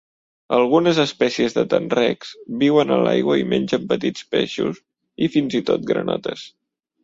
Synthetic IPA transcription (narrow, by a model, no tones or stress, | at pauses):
əlˠɣunəzəspɛsiəzðət̪ənrɛkz̥biwənəlajɣwəimenʲd͡ʒəmpət̪it͡speʃus | ifinzit̪ot̪̚ɡɾə̰nɔ̰t̪əs